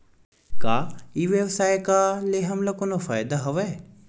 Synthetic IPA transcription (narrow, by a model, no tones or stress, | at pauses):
kaːiʋjɐʋsaːjkaleɦɐmlɐkonofajd̪aɦɐʋe